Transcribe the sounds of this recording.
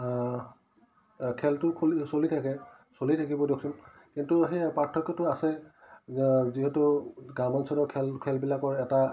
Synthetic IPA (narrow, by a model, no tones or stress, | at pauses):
kʰɛltʊkʰulisolitʰakɛ | solitʰakibɔdjoksun | kintuɦepatʰːɔkjɔtʊasɛ | ziɦetuɡamɔnsʰɔdɔkʰɛlkʰɛlbilakɔɹɛta